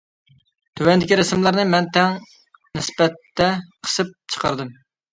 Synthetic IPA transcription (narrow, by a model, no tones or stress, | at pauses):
t̪ʰøwɛnd̪ɪkʲiɾɛsɨmlˠɑɾnɨmɛnt̪ʰɛŋ | nɪspɛt̪ːɛqʰə̥sɨp̚t͡ʃʰə̥qʰɑ̰ɾd̪ɨm